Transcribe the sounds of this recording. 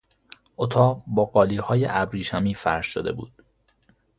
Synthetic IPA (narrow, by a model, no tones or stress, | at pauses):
ʔot̪ʰɒːʁbɒːɢɒːliːhɒːjḛʔæbɾiːʃæmiːfæɾʃʃod̪e̞̰bṵːd̪̥